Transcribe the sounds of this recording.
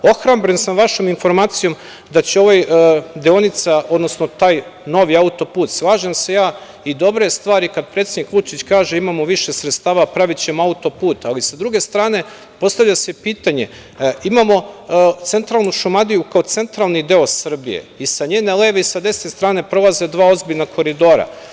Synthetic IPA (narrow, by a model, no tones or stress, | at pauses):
o̞xɾambɾensamʋaʃo̞minfo̞ɾmaːt̪sijo̞m | d̪at͡ɕeo̞ʋojd̪eo̞nit̪sao̞d̪nosno̞t̪aːjno̞ʋiaut̪o̞puːt̪slˠaːʒemse̞jaː | id̪o̞bɾe̞st̪ʋaːɾikad̪̚pɾet̪ʲed̪nikʋut͡ʃit͡ɕkaːʒe̞imamoʋiʃe̞sɾet̪st̪aːʋapɾaʋit͡ɕe̞maut̪o̞puːt̪alisad̪ɾuɡe̞st̪ɾaːne̞ | po̞st̪aʋʎʲasepiːt̪aɲe̞̰ | imamo̞t̪se̞nt̪ɾalˠnuʃumad̪ijukao̞t̪se̞nt̪ɾalˠnid̪e̞osr̩bḭjḛisaɲe̞ːne̞le̞ːʋeisad̪e̞snest̪ɾaːne̞pɾo̞lˠaze̞d̪ʋaːo̞zbiʎnakʰo̞ɾid̪o̞ɾa̰